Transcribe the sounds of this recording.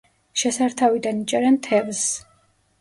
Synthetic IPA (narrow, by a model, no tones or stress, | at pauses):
ʃɛsaɾt̪ʰavid̪anit͡ʃʼɛɾɛnt̪ʰɛvs